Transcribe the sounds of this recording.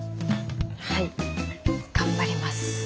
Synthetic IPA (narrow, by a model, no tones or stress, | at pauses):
hai | ɡ̥ãmbaɾʲimasɨ̥